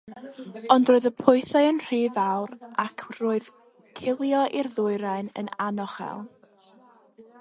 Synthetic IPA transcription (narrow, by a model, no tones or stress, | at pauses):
ɔndroːɨðəpʰʊɨθaɨənr̥iːvawɾʔakʰroːɨð | kʰɪlˠjɔʔɪrðʊɨɾaɨnə̰nanɔχɛ̰lˠ